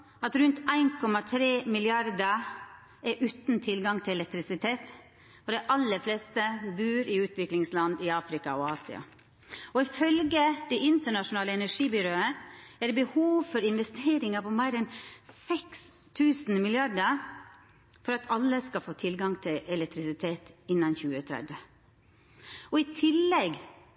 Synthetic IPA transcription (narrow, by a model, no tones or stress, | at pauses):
ɑt̪ɾʉnt̪æɪnkʰɔmɑt̪ʰɾeːmɪlɪɑɾd̪ə | ɛʔʉːt̪n̩t̪ʰɪlɡɑŋt̪ʰɪlɛlɛk̚t̪ɾɪsɪt̪ʰeːt̪ | ɔɖɛɪʔɑlːəfleːst̪əbʉːɾʔɪʉːt̪ʋɪklɪŋslɑnd̪ɪɑːfɾɪkɑ̰ɔɑːsɪ̰ɑ̰ | ɔɪfœlɡəd̪̥ɛʔɪnt̪əɳɑʂʊnɑːləɛnəʂiːbʏɾoːəɛɾbəhuːʋfɔɾɪnʋɛst̪ʰeːɾɪŋɑpɔmæɪɾɛnsɛks | t̪ʰʉːsn̩mɪlɪɑɖə | fɔɾɑt̪ʰɑlːəskɑfoːt̪ʰɪlɡɑŋt̪ʰɪʔɛlɛk̚t̪ʰɾɪsɪt̪ʰeːt̪ɪnːɑnçʉːət̪ʰɾɛ̰d̪ʋə | ɔɪt̪ʰɪlːɛɡ